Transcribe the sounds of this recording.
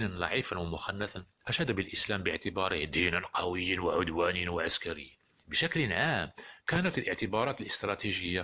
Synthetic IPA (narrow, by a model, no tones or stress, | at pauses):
nənlɑ̰ʕifanwamʊxɑnːæθan | ʔæʃæd̪bəlʔəslæmbəʕt̪əbɑɾˤəhd̪inənqʰɑwəjːənwaʕʊd̪wænwaʕaskæɾə̰jː | bəʃæklənʕamkænət̪əlʔəʕt̪əbɑɾˤɑt̪əlʔə̥st̪ɾˤɑt̪iʒəjːa